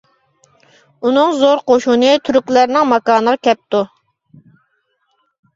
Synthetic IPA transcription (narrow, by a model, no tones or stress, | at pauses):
unɨŋzoɾqoʃunɨt̪ʰyɾykʲlæɾnɪŋmɑkɑːnəʁɑkʲɛp̚t̪u